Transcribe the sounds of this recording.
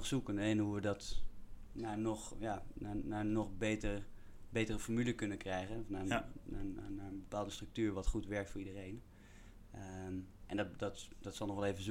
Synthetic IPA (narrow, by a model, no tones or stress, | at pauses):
χsukənnɦuʋədɑt | nanɔχjananaːənɔχbejtər | bejtərəfɔɹmyləkɵnəkrɛjχənɔfnaːnaanaːəbəpaːlˠdəstrək̚tyːɹʋɑtχutʋɛɹk̚tfʊːɹidərejn | əʔɛnddɑtd̥ɑtsɑlˠnɔχʋɛlˠejvəz